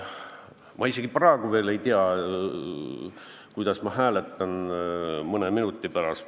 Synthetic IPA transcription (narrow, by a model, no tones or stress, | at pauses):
mʔɑiseɡ̥ipɑeɡ̥uve̞ːle̞jt̪iɑ | kujd̪̥ɑsmɑɦæːle̞t̪ːˑɑn | mɤneminut̪ˑːipæɾɑst̪